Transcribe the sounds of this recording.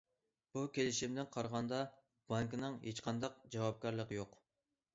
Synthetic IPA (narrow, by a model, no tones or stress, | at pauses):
b̥ukʲʰelɪʃimd̪ɪnqʰɑɾʁɑnd̪ɑ | b̥ɑŋknɨŋɦet͡ʃqʰɑnd̪ɑq̚d͡ʒɑwɑp̚kʲɑɾlˠəqjoq